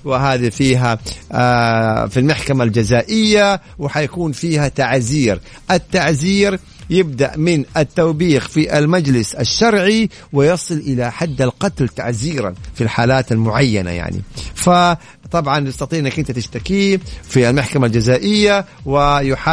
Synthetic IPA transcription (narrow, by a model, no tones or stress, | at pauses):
wɪɦaːðifiːɦa | filmaħkamald͡ʒazaːʔɪjːa | wɪħajakuːnfiːhat̪aʕziːɾ | ʔat̪ːaʕziːɾ | jɪb̚d̪aʔmɪnʔat̪ːawbiːxfiʔalmad͡ʒlɪsaʃːɑɾˤʕi | wɪjɑsˤɨlʔɪlaħad̪ːalqɑt̪lt̪aʕziːɾa̰nfilħaːlaːt̪almʊʕajːa̰na̰ja̰ʕnḭfa | t̪ˤɑbʕɑnj̪ɑst̪ɑt̪ˤiːʔɪnːakʔɪnt̪at̪ɪʃt̪akifialmaħkamald͡ʒazaːʔɪjːawɪjʊħa